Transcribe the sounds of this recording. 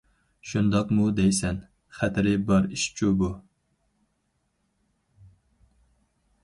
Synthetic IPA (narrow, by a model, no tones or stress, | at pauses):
ʃund̪ɑqmud̪ɛjsɛn | χæt̪ʰɾɪbɑɾiʃt͡ʃʰubu